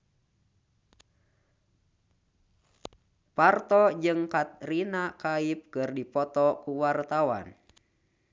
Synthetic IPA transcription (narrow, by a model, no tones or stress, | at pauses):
part̪ɔd͡ʒɨŋkat̪̚rinakaip̚kɨrdipɔt̪ɔkuwart̪awa̰n